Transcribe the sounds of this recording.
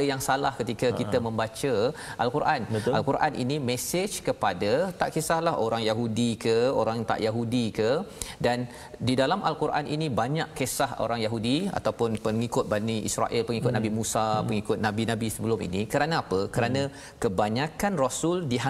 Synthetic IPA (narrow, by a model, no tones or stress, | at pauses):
jaŋsalahkət̪ikətkit̪əmə̃mbat͡ʃəʔalkuɾʔanalkuɾʔanʔḭnimesed͡ʒkəpadat̪a̰ʔkesahlaɦoɾaŋjaɦudikəoɾaŋt̪a̰ʔjaɦudikədan | didalamʔalkuɾʔa̰nḭnibaɲaʔkesaho̰ɾaŋjaɦudia̰t̪awpʊnpəŋikʊt̪̚baniʔḭsɾa̰ʔɪlpəŋikʊt̪̚nabimusapəŋikʊt̪̚nabinabisəbəlʊmḭnikəɾanaapəkəɾanã | kəbaɲakanrasuldiɦa